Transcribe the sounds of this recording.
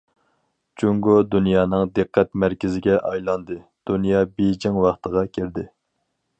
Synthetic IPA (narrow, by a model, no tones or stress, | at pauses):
d͡ʒuŋɡod̪unjɑːnɨŋd̪ɨqʰːɛt̪mæɾkʲɪzɪɡʲɛʔɑjlˠɑnd̪ɨd̪̥unjɑːbejd͡ʒɪŋwɑχt̪əʁɑkʲʰiɾd̪ɪ